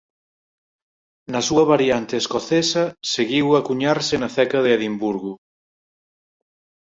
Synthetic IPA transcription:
nɐsuɐβaɾjant̪eːskoθesɐseɣiwakuɲaɾsɪnɐθɛkɐðɪeðimbuɾɣu

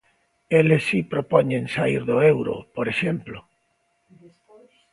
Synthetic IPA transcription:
elesipɾopɔɲẽnsaiɾðoewɾo̰poɾeʃemplo

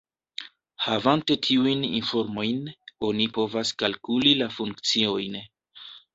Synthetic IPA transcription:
havante̞tʰiujnḭnfo̞ɾmo̞jno̞nipo̞vaskalkulilafuŋkt͡sio̞jn

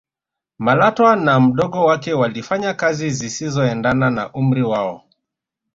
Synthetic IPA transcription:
malatwanam̩ɗɔɠɔwakɛwalifaɲakazizisizɔɛndanana̰ʔum̩ɾiwaɔ

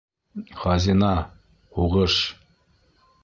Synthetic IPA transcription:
χɑzʲinɑ | huʁɤʃ

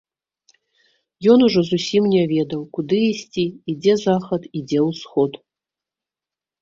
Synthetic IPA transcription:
jɔnuʐɔzusʲimnʲavʲɛd̪ɐwkud̪ɨisʲt͡sʲiːd͡zʲɛzaxɐt̪id͡zʲɛwsxɔt̪

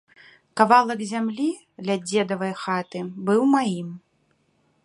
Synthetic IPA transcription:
kavalˠɐkzʲamlʲi | d̪lʲad͡zʲɛd̪ɐvɐjxat̪ɨbɨwmajim

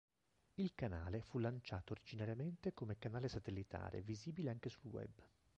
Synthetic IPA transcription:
ilkanaːlefulːant͡ʃaːt̪oːɾid͡ʒinaɾjament̪ekomekanaːlesat̪elːit̪a̰ːɾḛviziːbileaŋk̟esulwɛ̰b

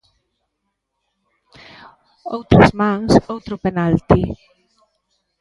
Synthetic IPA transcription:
owt̪ɾesmaŋsowt̪ɾopenalt̪i

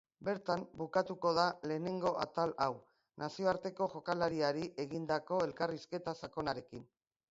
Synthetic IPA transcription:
be̞ɾt̪ambukat̪uko̞ð̞ale̞ːne̞ŋɡo̞ʔa̰t̪alaw | nasio̞aɾt̪e̞ko̞ʝo̞kalaɾiaɾiʔe̞ɣind̪ako̞e̞lkariske̞t̪asako̞naɾe̞kin

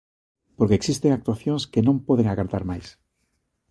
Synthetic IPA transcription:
poɾkeːksist̪eŋak̚t̪waθjonskenõmpoðeŋaɣaɾðaɾmajs

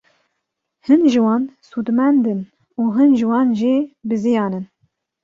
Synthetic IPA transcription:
hɨnʒɨwɑːnsuːd̪mɛnd̪ɨn | uːɦɨnʒɨwɑːnʒibɨzɨjɑːnɨn

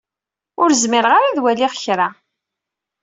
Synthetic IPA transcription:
ʊɾzmɪɾəʁaɾaðwæliʁçɾa

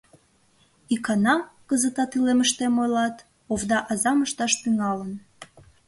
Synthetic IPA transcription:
ikɑnɑkəzət̪ɑt̪yleməʃt̪emojlɑt̪ | ovd̪ɑʔɑzɑməʃt̪ɑʃt̪yŋɑlən

